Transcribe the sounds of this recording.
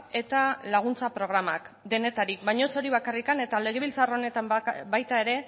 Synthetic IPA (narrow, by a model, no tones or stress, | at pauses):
e̞t̪alaɣ̞unt͡sapɾo̞ɣ̞ɾamak | d̪e̞ne̞t̪aɾik̚bajɲo̞so̞ɾiβakarikane̞t̪ale̞ɣ̞eβilt͡saro̞ne̞t̪ambajt̪ae̞ɾe̞